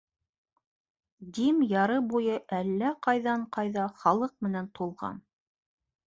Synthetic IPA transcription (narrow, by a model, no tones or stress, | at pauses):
d̪imjɑɾɤbujɤʔælːæqɑjðɑɴqɑjðɑχɑlˠɤq̚mɘ̆nænt̪ulˠʁɑ̰n